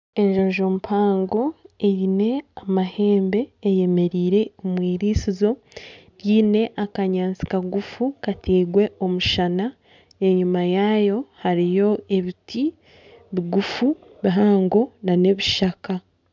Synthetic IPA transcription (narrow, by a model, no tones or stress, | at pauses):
e̞ɲʒoʒoːmupʰaːŋɡo̞eɾine̞amahe̞ːmbe̞ːje̞me̞ɾiːɾe̞omwiːɾiːsizo̞ | ɾjiːne̞ʔakaɲaːnt͡si̥kaɡufukatʰiːɡwe̞ʔo̞muʃana | e̞ɲumajaːjo̞haɾijo̞e̞βitʰi | βiɡufu | βiɦaːŋɡonane̞βiʃaka